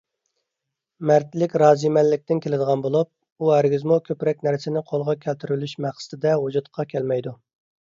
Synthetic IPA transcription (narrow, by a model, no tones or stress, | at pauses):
mæɾt̪lɪkʲɾɑːzimɛlːɪk̚ʲt̪ɪnkʲʰelɪd̪əʁɑnbolˠup̚ | uɦæɾɡʲizmukʲʰøpɾɛk̚ʲnæɾsɪnɪqʰolˠʁɑkʲʰælt̪ʰyɾylyʃmæχsɪ̥t̪ɪd̪ɛɦud͡ʒut̪qʰɑkʲʰɛlmɛjd̪u